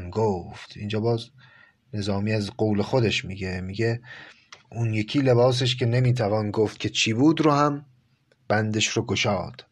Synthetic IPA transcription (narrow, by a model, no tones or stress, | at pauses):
nɡoft̪ʰind͡ʒɒːbɒːz | ne̞zɒːmiːæzɢowle̞xod̪e̞ʃmiɡe̞miɡe̞ | ʔunje̞kʰiːle̞βɒːs̬eʃ̬cʰe̞ne̞miːt̪ʰævɒːnɡoːft̪̚kʰʲe̞t͡ʃʰiːbuːd̪ɾohæm | b̥ænd̪e̞ʃɾoɡoʃɒːd̪̥